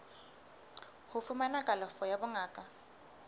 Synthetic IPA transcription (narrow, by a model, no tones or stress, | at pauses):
hʊfʊmanakʼalɔfɔjabʊŋaːkʼa